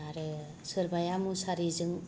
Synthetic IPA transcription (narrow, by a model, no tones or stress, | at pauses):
aɾɯ | sɯɾbajamusaɾizɯŋ